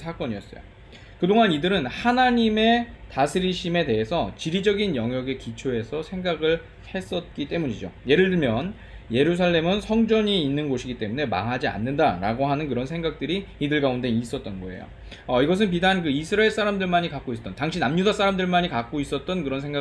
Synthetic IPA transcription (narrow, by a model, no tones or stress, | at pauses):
ak͈ʌɲiʌs͈ʌjo̰ | kɯdoŋanidɯɾɯnhanaɲime̞tasʰɯɾiɕʰime̞te̞ɦe̞sʰʌt͡ɕiɾid͡ʑʌɡinjʌŋjʌɡe̞kit͡ɕʰoe̞sʰʌsʰe̞ŋɡaɡɯɭ | he̞s͈ʌt̚k͈it͈e̞muɲid͡ʑo̰je̞ɾɯɭdɯɭmjʌn | je̞ɾus̬ʰaɭːe̞mɯnsʰʌŋd͡ʑʌɲiːnːɯnɡoɕʰiɡit͈e̞mune̞ma̰ŋɦad͡ʑia̰nːɯndaɾa̰ɡoɦanɯnkɯɾʌnsʰe̞ŋɡak̚t͈ɯɾiːdɯɭɡaunde̞is͈ʌt̚t͈ʌnɡʌe̞̰jo̰ | ʌiɡʌs̬ʰɯnp̬idankɯisʰɯɾaeɭs͈ʰaɾamdɯɭmaɲikak͈ois͈ʌt͈ʌntaŋɕʰinamɲudas͈ʰaɾamdɯɭmaɲikak͈ois͈ʌt̚t͈ʌnkɯɾʌns̬ʰe̞ŋɡa